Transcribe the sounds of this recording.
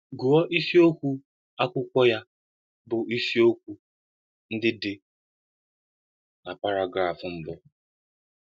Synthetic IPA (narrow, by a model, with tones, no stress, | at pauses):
ɡu˨ɔ˦ʔi˦si˦o˦kʷu˦ | a˦kʷʊ˦kʷɔ˦ja˦ | bʊ˨i˦si˦o˦kʷu˦ | n̩˦dɪ˦dɪ˨ | na˨pa˦ɾa˨ɡɾa˨fʊ˨m̩˦bɔ˦